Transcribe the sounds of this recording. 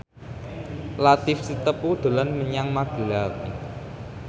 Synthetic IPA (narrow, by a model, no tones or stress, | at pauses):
lat̪ɪfsit̪əpud̪̥o̤lanməɲaŋmaɡ̥əlaw